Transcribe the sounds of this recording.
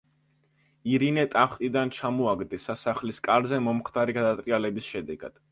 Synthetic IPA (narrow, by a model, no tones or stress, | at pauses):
iɾinɛt̪ʼaχt̪ʼid̪ant͡ʃʰamɔaɡd̪ɛsasaχliskʼaɾzɛmɔmχd̪aɾiɡad̪at̪ʼɾʼialɛbisʃɛd̪ɛɡa̰d̪̥